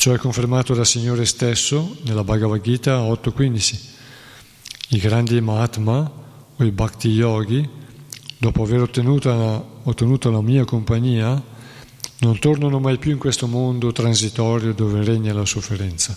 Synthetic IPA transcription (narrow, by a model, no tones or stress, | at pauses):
t͡ʃɔɛkːoɱfeɾmaːt̪od̪asiɲːoːɾest̪esːonelabaɡavaɡiːt̪aɔt̪ːokːwind̪it͡ʃi | iɡɾand̪imat̪ma | oibakt̪ijɔːɡi | d̪ɔːpoaveɾot̪ːenuːt̪aot̪ːenuːt̪alamiːakompaɲiːa | nont̪oɾnanomajpjuiŋkwest̪omond̪ot̪ɾansit̪ɔːɾjod̪oːverɛɲːalasofːeɾɛnt̪sa